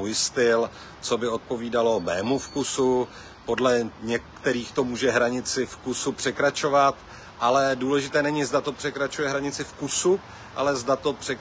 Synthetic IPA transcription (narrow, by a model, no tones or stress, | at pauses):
ujst̪ɪl | t͡so̞bɪo̞t̪̚po̞viːdalo̞mɛːmufkusu | po̞dlɛɲɛkt̪ɛɾiːxt̪o̞muːʒɛɦɾaɲɪt͡sɪfkusupr̝̥ɛkɾat͡ʃo̞vat̪ | ʔalɛduːlɛʒɪt̪ɛːnɛɲɪzdat̪o̞pr̥ɛkɾat͡ʃujɛɦɾaɲɪt͡sɪfkusu | ʔalɛzdat̪o̞pr̥ɛ